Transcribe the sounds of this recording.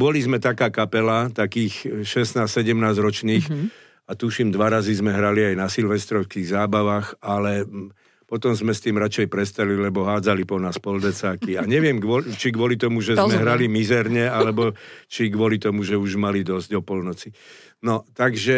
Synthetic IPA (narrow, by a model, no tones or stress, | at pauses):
bɔlizmɛt̪akaːkapɛlat̪akiːxʃɛsnaːssɛɟɛmnaːzɾɔt͡ʃniːx | at̪uʃimd̪ʋaɾazizmɛɦɾaliajnasilʋɛst̪ɾɔʊskiːɣzaːbaʋaxalɛ | pɔt̪ɔmzmɛst̪iːmɾat͡ʃɛjpɾɛst̪ɛlilɛbɔɦaːd͡zalipɔnaːspɔld̪ɛt͡saːkiaɲɛʋɪɛmɡɔt͡ʃiɡʋɔlit̪ɔmuʒɛzmɛɦɾalimizɛɾɲɛalɛbɔt͡ʃiɡʋɔlit̪ɔmuʒɛuʒmalid̪ɔzɟɔpɔlnɔt͡si | nɔt̪aɡʒɛ